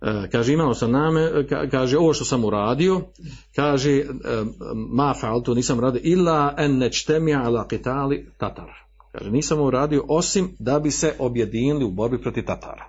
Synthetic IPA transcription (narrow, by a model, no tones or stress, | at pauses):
kaːʒeːimaːosamnaːmeka̰kaːʒeo̞ʋoʃt̪o̞samuɾaːd̪io̞ | kaːʒeː | maːfaalˠt̪uniːsamuɾaːd̪ijoʔilːaːʔanːad͡ʒt̪amialaːqit̪aːlit̪at̪aɾ | ka̰ːʒeniːsamouɾaːd̪ijo̞ʔo̞simd̪abise̞ʔo̞bjed̪iːniliubo̞ɾbipɾo̞t̪iʋt̪at̪ʰa̰ːɾa